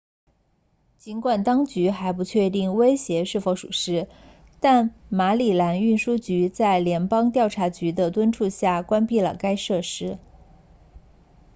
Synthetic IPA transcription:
t͡ɕi˧˥nkwa˨˩nt̪ɑ˥ŋt͡ɕy˧˥xa˧˥ɪp̬u˧˥t͡ɕʰɥɛ˥˧t̪i˥˩ŋwe˥ɪɕjɛ˧˥ʂɻ̩˥˩fo˧˥ʊʂu˨˩ʂɻ̩˥ | t̪a˥˩nma˧˥li˨˩la˧˥ny˥˩nʂu˥t͡ɕy˧˥t͡sa˥˩ɪljɛ˧˥npɑ˥ŋt̪jɑ˥˩ʊʈ͡ʂʰa˧˥t͡ɕy˧˥d̪ə˧t̪wə˥nʈ͡ʂʰu˥˧ɕja˥˩kwa˥npi˥˩lə̰˩ka˥ɪʂɤ˥˩ʂɻ̩˥

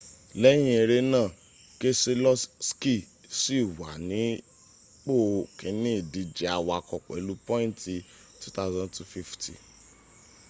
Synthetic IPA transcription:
lɛ˦j̃ĩ˦e˧ɾe˧nãː˦˨ | ke˦se˧lɔ˦sski˦˨ | si˦˨wa̰˨nĩ˨˦ | k͡po˦˨kẽ˨˦nĩ˦˨di˧d͡ʒɛ˧˦a˧wa˧˨kɔ˨k͡pɛ̰˨˦lu˦pɔ̃˦ĩ˦ti˧ | tu˦ta˦zã˧ntu˨fi˦ftḭ˨

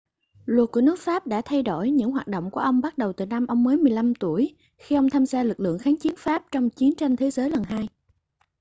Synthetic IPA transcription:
lwə˨˩t̚ku˧˩nɨ˦˥ək̚faː˦˥p̚ɗa̰ː˧˥t̪ʰa˧jɗo̰˧˩jɲɨ̰˧˥ŋɦwaː˨˩t̚ɗo̰˧˨wŋ͡mku˧˩əʔə˧wŋ͡mɓa˦˥t̚ɗə˨˩wt̪ɨ˨˩na˧mʔə˧wŋ͡mməː˨˦jmɨ˨˩əjla˧mt̪u˧˩əj | xi˧ʔə˧wŋ͡mt̪ʰaː˧mzaː˧lɨ˨˩k̚lɨ̰˧˨əŋxaː˨˦nt͡ɕi˨˦ənfaː˦˥p̚t͡ɕɔ˧wŋ͡mt͡ɕi˨˦nt͡ɕa˧ŋt̪ʰe˨˦zəː˨˦jlə˨˩nɦaː˧j

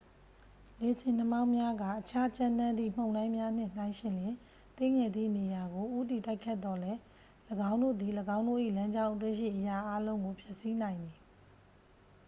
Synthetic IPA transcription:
le˨zʰɪ̃˨n̥əma˦ʊ̃mja˦ɡa̰˦˨ʔət͡ɕʰa˦t͡ɕã˦nã˦nd̪ðḭ˦˨m̥õ˨ʊ̃lã˦ɪ̃mja˦n̥ɪ̰̃˦˨n̥ã˦ɪ̃ʃɪ̃˨ljɪ̃˨ | t̪e˦ŋɛ˨d̪ðḭ˦˨ne˨ja˨ɡo˨ʔu˦t̬i˨ta˦ɪkʰːɛ˦˨t̪ːɔ˦lɛ˦ | ləɡã˦ʊ̃ndo̰˦˨d̪i˨ləɡã˦ʊ̃ndo̰˦˨ʔḭ˦˨lã˦ɲd͡ʑã˦ʊ̃ʔət̪̬wḛ˦˨ʃḭ˦˨ʔəja˨ʔa˦lõ˦ʊ̃ŋɡo˨pʰjɛ˦ʔsi˦n̥ã˨ɪ̃nd̪i˨

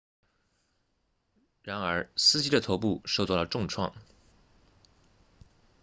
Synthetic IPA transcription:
ɻa˧˥nə˞˧˥sɹ̩˥t͡ɕi˥d̪ə˨o˧˥ʊp̬u˥˩ʂo˥˧t͡swɑ˥˩lə˩ʈ͡ʂʊ˥˧ŋʈ͡ʂʰwɑ̰˥˩ŋ

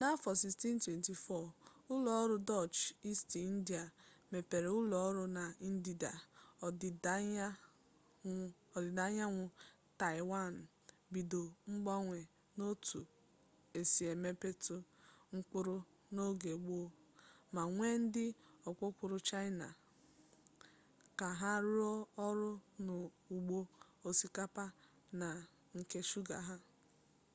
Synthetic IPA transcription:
na˦fɔ˨si˨sti˦n˦twe˨nti˨fɔ˦˨ʊ˦lɔ˨ɔ˦ɾʊ˦dɔ˦˨t͡ʃi˦sti˨˦n̩˦di˨a˨me˨pe˨ɾe˨ʊ˦lɔ˨ɔ˦ɾʊ˦na˨i˦n̩˦di˨da˨˦ | ɔ˨dɪ˨da˦ɲa˦ŋʷʊ˦ | ta˨ɪ˨wa˦˨n̩˨ | bi˨do˨ŋ͡m̩˦ɡ͡ba˦ŋʷe˨ | no˦tʰu˨ | e˨si˨e˨me˦pe˦tʊ˦ŋ̩˦k͡pʊ˦ɾʊ˦ | no˦ɡe˨ɡ͡bo˦ | ma˨ŋʷe˦n̩˦dɪ˦ɔ˨kʷʊ˦kʷʊ˦ɾʊ˦t͡ʃa˦ɪ˦na̰˨ | ka˨ɦa˦ɾɔ˦ɔ˦ɾʊ˦nʊ˨ | u˨ɡ͡bo˦ | o˨si˦ka˦pa˦ | na˨ | ŋ̩˨ke˦ʃu˦ɡa̰˨ɦa˦

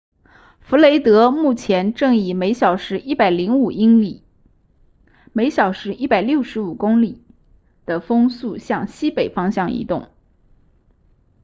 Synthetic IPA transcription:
fu˧˥le˧˥ɪt̪ɤ˧˥mu˥˩t͡ɕʰjɛ˧˥nʈ͡ʂɤ˥˩ŋi˨˩me˧˥ɪɕjɑ˨˩ʊʂɻ̩˧˥ʔi˥˩pa˨˩ɪli˧˥ŋu˨˩i˥ŋli˨˩ | me˧˥ɪɕjɑ˨˩ʊʂɻ̩˧˥ʔi˥˩pa˨˩ɪljo˥˩ʊʂɻ̩˧˥u˨˩kʊ˥ŋli˨˩˦ | d̪̥ə˨fɤ˥ŋsu˥˧ɕjɑ˥˩ŋɕi˥pe˨˩ɪfɑ˥ŋɕjɑ˥˩ŋḭ˧˥t̪ʊ˥˩ŋ

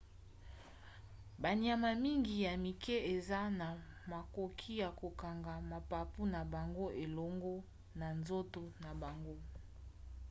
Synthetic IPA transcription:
ba˨ni˨a˨ma˨mi˦ŋɡi˨ja˨mi˨kɛ˦e˨za˦na˨ | ma˨ko˨kʰi˦ja˨ko˨ka˨ŋɡa˨ma˨pa˨pu˦na˨ba˨ŋɡo˦ʔe˨lɔ˦ŋɡɔ˦ | na˨nzo˦to˨na˨ba˨ŋɡo˦

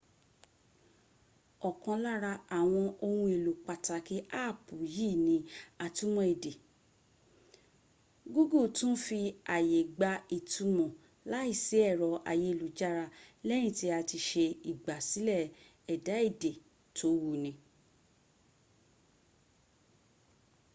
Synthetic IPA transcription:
ɔ˨kɔ̃˧la˦ɾa˧a˨w̃ɔ̃˧ʔo˧hũ˧˦e˨lu˨k͡pa˧ta˧ki˦ʔa˦˨pu˨ji˦˨nĩ˧˦a˧tu˦mɔ̃˦e˨de˨ | ɡu˦ɡu˦˨tũ˦fi˧a˨je˨ɡ͡ba˧i˨tu˨˧mɔ̃˨ | la˦i˦˨si˨˦ɛ˦˨ɾɔ˨ʔa̰˨je˨˧˦lu˨d͡ʒa˦ɾa˧lɛ˦ñĩ˦˨ti˨˦a˧ti˧ʃe˧i˨ɡ͡ba˨si˨˦lɛ˦˨ | ɛ˨da˨˦i˦˨de˨ | tʰo˨˦wu˦˧nĩ˧˦

